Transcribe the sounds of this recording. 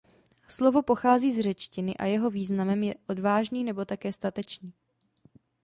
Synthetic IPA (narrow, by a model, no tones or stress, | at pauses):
slo̞vo̞po̞xaːziːzr̝ɛt͡ʃcɪnɪʔa̰jɛɦo̞viːznamɛmjɛʔo̞dvaːʒɲiːnɛbo̞t̪akɛːst̪at̪ɛt͡ʃɲiː